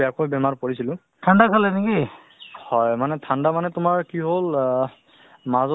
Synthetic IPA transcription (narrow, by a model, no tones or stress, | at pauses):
ɛakojbɛmaɹpoɹisilʊ̃ | tʰandakʰalɛneki | hɔjmanɛtʰandamanɛtʊmaɹkiɦol | mazɔ